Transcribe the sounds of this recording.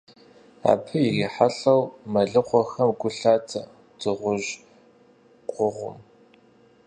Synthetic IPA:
a̰ːpʰɨjɪriːħaɬɐwmɐɮɨqʷɔxɐmɡʷʊɬaːtʰɐ | dʰɨʁʷʊʒ | qʷʼʊʁʷʊ̰m

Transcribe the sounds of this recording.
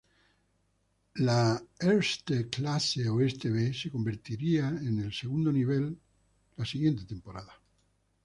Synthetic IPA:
laeɾst̪eklaseoest̪eβese̞ko̞mbe̞ɾt̪iɾiaene̞lseɣũnd̪oniβ̞el | lasiɣje̞nt̪et̪e̞mpo̞ɾaða

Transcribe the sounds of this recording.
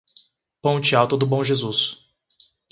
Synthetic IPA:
põw̃t͡ʃiawt̪ʊd̪ʊbõʒezus

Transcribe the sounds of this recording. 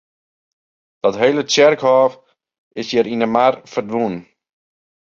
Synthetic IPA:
d̥ɔtɦeːlət͡sjɛrkhɔːf | ɪsjɪɾinəmarfərdʋun

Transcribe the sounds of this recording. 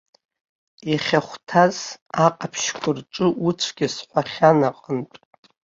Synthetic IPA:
jaχʲaχʷtʰazaqʼapʰʃkʷʼʊrʈ͡ʂʼɨut͡sʷʰɡʲɪsħʷaχʲanaqʼəntʼ

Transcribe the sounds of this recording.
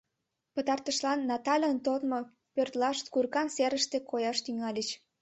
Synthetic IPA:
pət̪ɑrt̪əʃlɑnːɑt̪ɑlʲənt̪ot̪mo | pørt̪lɑʃt̪kurkɑnseɾəʃt̪ekojɑʃt̪yŋɑlʲət͡ɕ

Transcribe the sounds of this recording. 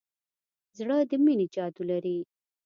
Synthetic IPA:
zɽəd̪əmined͡ʒɑd̪ulaɾi

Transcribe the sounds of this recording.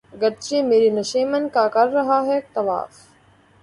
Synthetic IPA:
ɡɐt̪ɾiːmeːɾiːnɐʃiːmɐnkaːkɐɾːɐɦaːɦeːk̚t̪ɐʋa̰ːf

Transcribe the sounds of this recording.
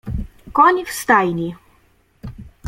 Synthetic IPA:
kɔnʲifst̪ajnʲi

